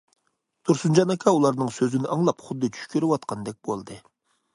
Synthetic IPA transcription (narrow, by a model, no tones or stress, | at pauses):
t̪ʰuɾsund͡ʒɑnɑkʲʰɑulˠɑɾnɨŋsøzynɪɑŋlˠɑpχʊd̪ːɨt͡ʃʰy̥ʃkʲøɾɪwɑt̪̚qʰɑnd̪ɛk̚ʲbolˠd̪ɨ